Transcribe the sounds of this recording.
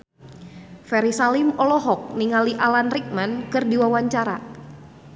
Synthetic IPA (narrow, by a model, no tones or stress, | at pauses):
fɛɾisalimɔlɔɦɔk̚niŋaliʔalanrik̚mankɨrdiwawaɲt͡ʃaɾa